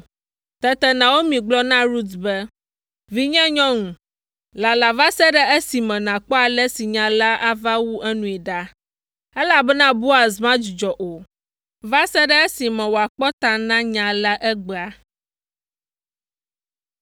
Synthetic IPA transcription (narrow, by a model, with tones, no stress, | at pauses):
t̪ɛ˦t̪ɛ˦nã˨wo˦mĩ˨ɡ͡blɔ˦nã˦ɾu˦t̪bɛ˦ | vi˦ɲɛ̃˦ɲɔ̃˦ŋũ˨ | la˨la˨va˦sɛ˦ɖɛ˦e˦si˨mɛ̃˨nã˨k͡pɔ˦a˨lɛ˦si˨ɲã˨la˦ʔa˦va˦wu˦ʔɛ˦nũ˨ɛ˨ɖa˦ | ɛ˦la˨bɛ˦nã˦bu˦a˨zmã˦d͡ʒi˨d͡ʒɔ˨ʔo˨ | va˦sɛ˦ɖɛ˦e˦si˨mɛ̃˨wo˨a˨k͡pɔ˦t̪a˨nã˦ɲã˨la˦ʔɛ˦ɡ͡bɛ˨a˨